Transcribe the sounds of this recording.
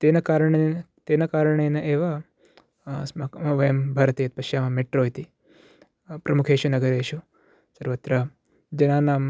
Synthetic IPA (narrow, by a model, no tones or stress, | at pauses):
t̪eːnɐkaːɾɳen | t̪eːnɐkaːɾɐɳenɐʔeːʋa | smaɐʋɐjɐmbʱaːɾɐt̪iːɐt̪̚pɐʃjaːmɐmeʈɾoːjt̪i | pɾɐmukʰeːʃunɐɡɐɾeːʃu | sɐɾʋɐt̪ɾɐ | d͡ʒɐnaːnaːm